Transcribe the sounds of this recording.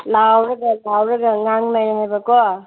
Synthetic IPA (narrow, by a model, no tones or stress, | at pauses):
lawɾaɡalawɾaɡaŋaŋnajhajbakɔ